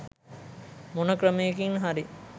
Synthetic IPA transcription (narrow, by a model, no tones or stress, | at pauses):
monəkɾəmejekiŋɦaɾi